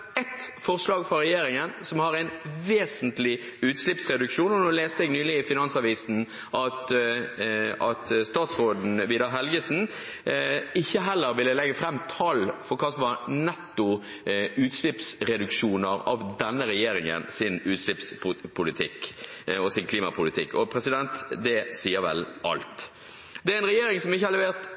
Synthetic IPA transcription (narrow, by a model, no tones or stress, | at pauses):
ɛt̪fɔʁslɑːɡfʁɑɾɛjeːɾɪŋənsɔmhɑɾæɪnʋeːsənt̪lɪʉːt̪slɪpsʁɛd̪ʉkʃuːnɔnuːleːst̪əɛɡnyːlɪɪfɪnɑnsɑʋiːsn̩ | ʔɑt̪ | ɑt̪st̪ɑːt̪sʁoːd̪n̩ʋiːd̪əɾɦɛlɡəsn̩ | ɪçːəɦɛlːəɾʋɪlːəlɛɡːəfɾɛmːt̪ʰɑlfɔɾkʰɑːsɔmʋɑɾnɛt̪ːʊ | ʉːt̪ʃlɪpsɾɛd̪ʉkʃuːnəɾɑ̰ʋd̪ɛnːəɾɛjeːɾɪŋə̰nsɪnʉːt̪ʂlɪpsʊpʰʊlɪt̪ʰɪ̰kɔsɪnkʰliːmɑpʰʊlɪt̪ʰɪkːɔpʰɾɛsɪd̪ɛnt̪d̪ɛsiːəɾʋɛ̰lʔɑ̰lt̪ | d̪ɛæɾɛnʁɛjeːɾɪŋsɔmɪçːəhɑlɛʋeːʁt̪